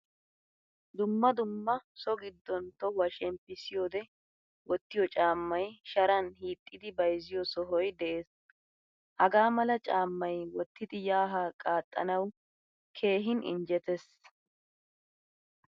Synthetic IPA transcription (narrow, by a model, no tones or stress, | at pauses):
d̪ʊmːɐd̪ʊmːɐsɔɡɪd̪ːɔnt̪ɔwɐʃɛmpːɪsɪjoːd̪ɛ | wɔt̪ːɪjɔt͡ʃʼaːmːɐjʃɐɾɐnhiːt̪ʼːɪd̪ɪbɐjzɪjɔsɔɦɔjd̪ɛʔe̞ːs | hɐɡaːmɐlɐt͡ʃʼaːmːɐjwɔt̪ːɪd̪ɪjaːɦaːkʼaːt̪ʼːɐ̰nɐw | kʰe̞ːɦɪnʔɪ̰ɲd͡ʒɛt̪ɛs